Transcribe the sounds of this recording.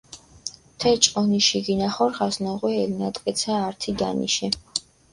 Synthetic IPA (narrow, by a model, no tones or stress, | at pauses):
t̪ʰɛt͡ʃʼɔniʃiɡinaχɔɾʁasnɔʁwɛɛlnat̪ʼkʼɛt̪sʰaːɾt̪ʰid̪a̰nḭʃɛ